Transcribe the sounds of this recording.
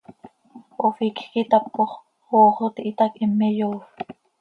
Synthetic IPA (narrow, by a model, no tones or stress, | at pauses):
ofikkit̪ɑpːoχ | oːχot̪iʔit̪ɑkʔimːejoːx